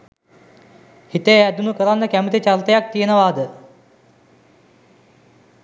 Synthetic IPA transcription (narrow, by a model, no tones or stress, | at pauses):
hit̪eɛd̪unukəɾanːɐkɛmət̪et͡ʃalt̪ejak̚t̪iənaʋaːd̪